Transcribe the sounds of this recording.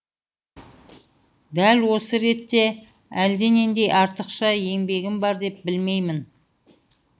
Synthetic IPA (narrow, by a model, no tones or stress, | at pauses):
d̪ælwo̞səɾe̞t̪ːe̞ | æld̪e̞ne̞nd̪e̞jʔɑɾt̪əqʃɑje̞ŋbe̞ɡʲɪmbɑɾd̪e̞p̚bɪlme̞jmɪn